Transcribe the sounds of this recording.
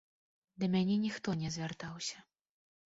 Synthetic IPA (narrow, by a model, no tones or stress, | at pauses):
d̪ɐmʲanʲɛnʲixt̪ɔnʲɛzʲvʲart̪awsʲɐ